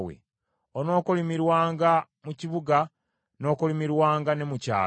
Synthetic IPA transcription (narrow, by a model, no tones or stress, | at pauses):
wḛ | ono̞ːkolimiɾwaːŋɡa | muciβuɡa | no̞ːkolimiɾwaːŋɡane̞muca̰ː